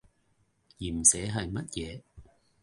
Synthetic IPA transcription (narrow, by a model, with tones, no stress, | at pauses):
jiː˨˩m̩˨sɛː˨˧˥ɦɐ˨jmɐ˦˥t̚jɛː˨˧˦